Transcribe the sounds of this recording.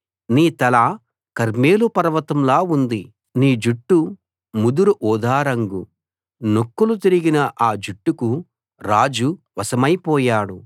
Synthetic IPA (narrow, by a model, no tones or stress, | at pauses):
niːt̪ɐlaː | kɐɾmeːlupɐɾɐʋɐt̪ɐmlaːund̪i | niːd͡ʒuʈːu | mud̪uɾuʔɔːd̪ʱaːɾɐŋɡu | nokːulut̪̬iɾiɡinɐʔaːd͡ʒuʈːuku | ɾaːd͡ʒuʋɐsɐmɐjpɔːjaːɽu